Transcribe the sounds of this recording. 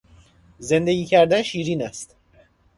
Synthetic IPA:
ze̞nd̪e̞ɟiːcʰæɾd̪ænʃiːɾiːnæst̪

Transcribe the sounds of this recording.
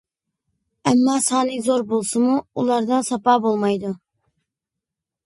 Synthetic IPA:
ɛmːɑːsɑːnɪkzoɾbolˠsɨmuulˠɑɾd̪ɑsɑpɑːbolˠmɑjd̪u

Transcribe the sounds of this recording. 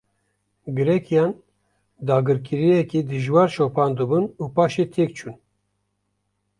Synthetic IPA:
ɡɨɾɛkʰijɑːn | d̪ɑːɡɨɾkʰiɾijɛkid̪ɨʒwɑːɾʃoːpʰɑːnd̪ɨbunuːpaːʃet̪ʰek̚t͡ʃʰuːn

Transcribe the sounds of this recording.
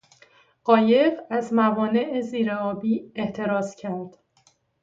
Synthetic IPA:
ɢɒːje̞ɢæzmævɒːne̞ʔeziːɾeɒːbiːeht̪ʰe̞ɾɒːscʰæɾd̪̥

